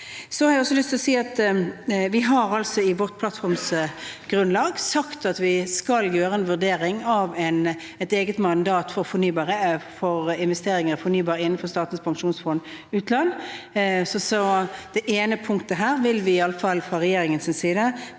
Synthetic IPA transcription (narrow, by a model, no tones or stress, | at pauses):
sɔhɑɾɪæɔsːɔlʏst̪ʰɪlɔsiːɑt̪ | ʋɪɦɑɾɑlsɔɪʋɔʁt̪̚pʰlɑt̪fɔɾmsɡ̥ʁʉnlɑːɡsɑkt̪ɑt̪ʋɪskɑljøːɾəɛnʋʉʁd̪eːɾɪŋɑʋɛn | ɛt̪eːɡət̪mɑnd̪ɑːt̪fɔʁfɔɾnyːbɑːʁəfɔʁɪnʋɛst̪eːɾɪŋəɾfɔnyːbɑːɾəɪnːn̩fɔʁst̪ɑːt̪nspʰɑŋʂuːnsfɔnʉːt̪lɑnː | sɔsɔd̪̥ɛʔeːnəpʰʊŋkt̪əɦæːɾʋɪlʋɪɪɑlːəfɑlːfʁɑʁɛjeːɾɪŋənsɪnsiːd̪ə